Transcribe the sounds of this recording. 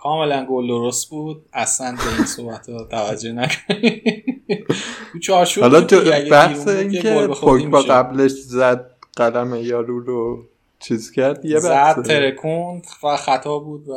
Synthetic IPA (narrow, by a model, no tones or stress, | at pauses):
kʰɒːme̞lænɡold̪oɾost̪̚buːd̪̥̚æslænbeinsohbæt̪ʰɒt̪ʰævæd͡ʒːohnækʰo̥n | ut͡ʃʰɒːɾt͡ʃʰuhɒlɒt̪ʰobæhseiːnkʲʰeepʰokbɒɡæbleʃzæd̪̚ɢ̥ælæmejɒːɾuːɾo | t͡ʃʰiːzcʰæɾd̪jebææeeɾekʰund̪xæt̪ʰɒːbuːd̪væ